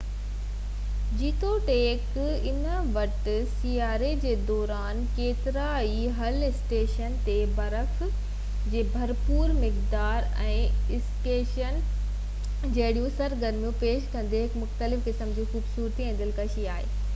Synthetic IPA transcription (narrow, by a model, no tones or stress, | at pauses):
d͡ʑiːt̪oʈeːk | ɪnə | ʋɐʈsiːaːɾed͡ʑeːd̪ɔːɾaːnkeːt̪ɪɾai | ɦɐlɪsʈeːʃənt̪ebɐɾəf | d͡ʑeːbʱɐɾpuːɾmɪkd̪aːɾ | ɛ̃ːɪsʈeːʃən | d͡ʑɐɦɪɗijũsɐɾɡɐɾmjũpeːʃkɐ̃nd̪eɦɪkmʊxt̪əlɪfkɪsəmd͡ʑiːxuːbsuːɾt̪iẽːn̆d̪əlkɐʃiaːɦḛː